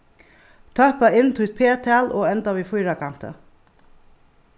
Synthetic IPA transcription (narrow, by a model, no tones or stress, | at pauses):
t̪ʰœpaɪnt̪ʰut̪̚pʰeːt̪ʰæːlʔoːɛnt̪aʋiːfʊjɾakʰan̥t̪ə̰